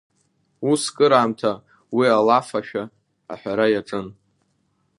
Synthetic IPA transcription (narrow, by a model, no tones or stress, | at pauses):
uskʼɨɾaːmtʰa | wialafaʃᶣa̰ː | ħʷᶣaɾajaʈ͡ʂʼɨn